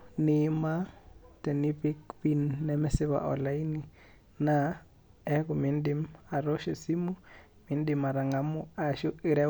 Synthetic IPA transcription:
nɪ˦ma˦tɛ˨ni˦pɪ˦kpi˦nːɛmɛsɪ˦βa̰˨ʔɔ̰˨la˦i˦ni˨ | na | ɛ˦kʊ˨mɪ˦ndɪma˨ɾɔ˦ʃe˨si˦mu˦ | mɪ˨ndɪ˨ma˨ɾa˨ŋa˨mʊ˦a˨ʃʊ˦i˦ɾɛ

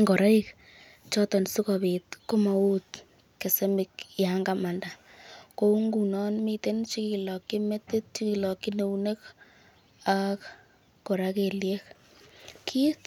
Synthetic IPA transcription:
ŋɡo˨ɾa˦ik | t͡ʃɔ˦tɔ˨nsu˦ka˨bit̪ko˦ma˨u˦t | ke˨se˦mɪ˨kja˦ŋɡama˨nda˨ | ko˦u˦ŋɡu˨nɔ˦nmit̪e˦nt͡ʃi˦ki˨lɔ˨ki˦me˦tɪ˦t̚t͡ʃiki˨lɔ˨ki˦ne˧wne˦k | akː | o˨ɾake˨lje˦k | kʰi˦t

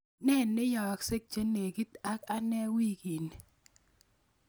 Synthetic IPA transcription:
nɛ˦˨nːɪ˦jɔ˨kse˦k̚t͡ʃe˦ne˨ɡi˦t̪a˦ka˦nɛ˦wi˦ki˨n˨

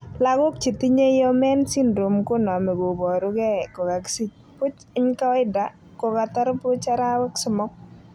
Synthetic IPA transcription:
la˨ɡʊ˦k̚t͡ʃi˨ti˦ɲe˦jɔ˦mɛ˦nsi˦ndɾo˨mkʊ˦nɔ˨mɛ˨bo˨bɔ˨ɾʊ˦kɛ˦˨kɔ˨ɡa˨ksi˦t͡ʃ̚ | pʊ˦t͡ʃ | ɪ˦ɲka˦ɪ˦da˨ | kɔ˨ka˨ta˦ɾpʊ˦t͡ʃa˦ɾa˦wɛ˦ksʊ˨mɔ˦k̚

